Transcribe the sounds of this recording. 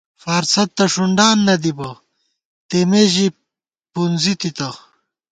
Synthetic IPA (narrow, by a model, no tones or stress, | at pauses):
fɐɾsɐt̪ːɐʂuɳɖaːnːɐd̪ibɐ | t̪emeʑi | punzit̪it̪ɐ